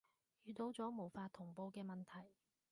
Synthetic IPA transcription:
jyː˨˧t̪o˨˥wt͡sɔː˨˥mo˨˩wfaː˧t̪ʰːʊ˨˩ŋpo˧wkɛː˧mɐ˨nt̪ʰɐ˨˩j

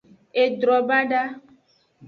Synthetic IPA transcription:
e˨dɾɔ˨bã˦ɖa˦

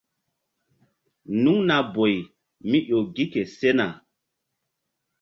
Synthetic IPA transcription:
nu˦ŋna˨bo˨j | mi˦ʔo˨ɡi˦ke˨se˦na˨

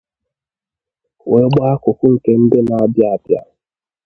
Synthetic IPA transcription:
we˨˦ɡ͡ba˦a˦kʊ˨kʷʊ˦ŋ̩˨ke˦n̩˦de˦na˨a˦bja˦a˨bja̰˦

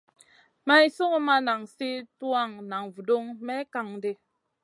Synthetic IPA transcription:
ma˦i˦so˦ŋo˦ma˦na˨ŋsi˦twa˦˨ŋna˨ŋvu˨do˦ŋmɛ˦ka˨ŋde˦

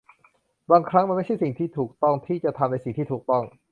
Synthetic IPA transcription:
baː˧ŋkʰɾa˦˥ŋma˧nma˥˩t͡ɕʰa˥˩jsi˨˩ŋt̪ʰiː˥˩t̪ʰuː˨˩k̚t̪ɔ˥˩ŋt̪ʰiː˥˩t͡ɕa˨˩t̪ʰa˧mna˧jsi˨˩ŋt̪ʰiː˥˩uː˨˩k̚t̪ɔ˥˩ŋ

